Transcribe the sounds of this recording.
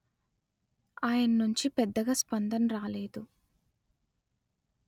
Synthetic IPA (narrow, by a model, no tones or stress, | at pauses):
aːjɐnɐnuɲt͡ʃipɛd̪ːɐɡaspɐnd̪ɐmɾaːleːd̪u